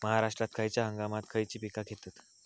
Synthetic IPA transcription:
məɦaɾaʂʈɾat̪̚kʰajt͡ɕjaɦəŋɡamat̪̚kʰəjt͡ɕiːpikakʰet̪at̪

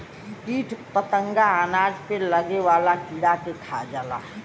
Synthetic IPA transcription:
piːʈʰpət̪ə̃ŋɡaɦənaːɖpeləɡewaːlakiɽakekʰad͡ʒala̰ː

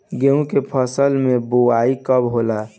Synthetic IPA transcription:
ɡeũkepʰəsəlmẽboaikəbɦola

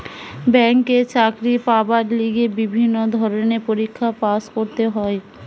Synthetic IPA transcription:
bɛŋket͡ɕakɾipabaɾliɡebibʱinːod̪ʱɔɾonepoɾikʰːapaskoɾt̪eɦɔe

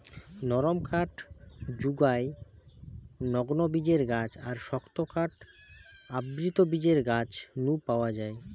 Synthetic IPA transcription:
nɔɾomkʰaʈd͡ʑuɡae | nɔɡnobid͡ʑeɾɡad͡ʑaɾʃɔkt̪okaʈ | abɾit̪obid͡ʑeɾɡad͡ʑnupaoad͡ʑae

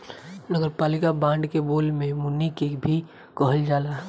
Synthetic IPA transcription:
nəɡəɾpaːlɪkabãːɳɖkeboːlmẽmʊnːikekbʱi | kəɦəld͡ʒaːlaɦ

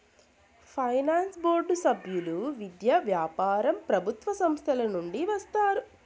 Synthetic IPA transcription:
pʰɐjnaːnsboːɾɖusɐbʱjuluʋid̪jɐʋjaːpaːɾɐmpɾɐbʱut̪ʋɐsɐmst̪ʰɐlɐnuɳɖiʋɐst̪aːɾu

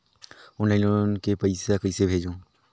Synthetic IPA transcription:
ʊnlaɪnonkepəɪsekəɪsebʱeːd͡ʒõː

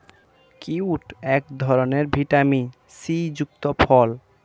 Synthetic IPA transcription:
kiuʈʰɛk̚d̪ʱɔɾoneɾbʱiʈami | sid͡ʑuk̚t̪opʰɔl

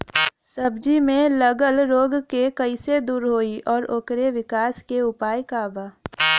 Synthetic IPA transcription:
sɐbd͡ʒimẽlɐɡəlɾoːɡkekɐised̪uːɾɦoːiʔɔːɾoːkɾeʋɪkaːskeʊpaːjkaːbaː

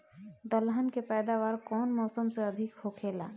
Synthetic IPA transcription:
d̪əlɦənkepɛːd̪aʋaːɾkɔːnmɔːsəmseəd̪ʱɪkhokʰeːla̰ː

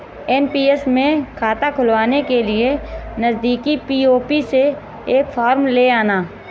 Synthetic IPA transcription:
ɛːnpiːesmẽkʰaːt̪akʰʊlʋaːnekelɪenɐzd̪iːkipiːoːpise | eːkfʰaːɾmleaːnaː

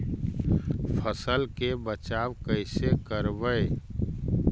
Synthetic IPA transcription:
pʰəsəlkebət͡ʃaːwkəɪsekəɾbəe

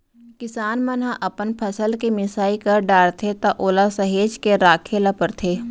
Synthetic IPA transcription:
kɪsaːnmɐnɦãʔɐpənpʰɐsəlkemɪsaːikɐɾɖaːɽt̪ʰet̪aʔoːlasɐɦeːd͡ʒkeɾaːkʰeːlapəɾt̪ʰeː

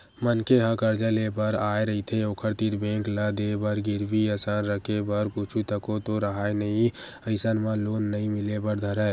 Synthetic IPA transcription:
mənkeɦãkəɾd͡ʒəlebəɾaːeɾəɦit̪ʰeoːkʰəɾt̪iɾbẽːŋkləd̪ebəɾɡɪɾʋiəsaːnɾəkʰebəɾkʊt͡ʃʰut̪əkot̪oɾəɦaenəɦĩəɪsənmãloːnːəɦĩmɪlebəɾd̪ʱəɾɦɛ

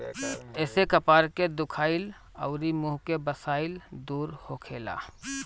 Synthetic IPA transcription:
ɛːsekəpaːɾked̪ʊkʰaːɪl | ɔʊɾimuːɦkebəsaːɪld̪uːɾhokʰeːla̰ː

